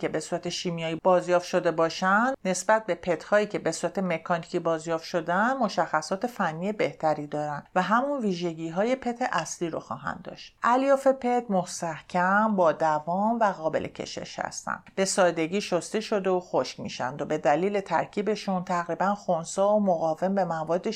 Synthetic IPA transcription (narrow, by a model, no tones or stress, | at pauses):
ke̞be̞suːɾæt̪ʰe̞ʃiːmijɒːjibɒːzjɒːft̪ʃo̞d̪e̞bɒːʃænd̪ne̞sbæt̪̚be̞pʰe̞t̪hɒːiːcʰe̞be̞suːɾæt̪ʰe̞me̞kʰɒnicʰibɒːzjɒːft̪ʃo̞d̪ænmo̞ʃæxːæsɒːt̪ʰe̞fænːije̞be̞ht̪ʰæɾiːd̪ɒːɾænvæɦæmunviːʒe̞ɟiːɦɒːje̞pʰe̞t̪ʰe̞ʔæsliːɾo̰xɒ̰ːɦæ̰nd̪ːɒ̰ːʃt̪ʔæljɒːfe̞pʰe̞t̪most̪æhcʰæmbɒːd̪ævɒːmvæɣɒːbe̞̰lʔḛcʰḛʃḛʃhæ̰st̪æ̰nd̪̥b̥e̞sɒːd̪e̞ɟiːʃost̪e̞ʃo̞d̪eoxoʃcmḭːʃæ̰nd̪obe̞d̪æliːle̞t̪ʰæ̰ɾcʰiːbe̞ʃunt̪ʰæɣɾiːbænxonsɒːomoɣɒːve̞mbe̞mævɒːd̪ːe